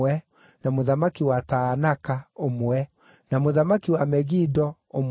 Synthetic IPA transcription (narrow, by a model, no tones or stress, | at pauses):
ɛ | namoðamakiwataːnakaomwɛ | namoðamakiwamɛɣidɔom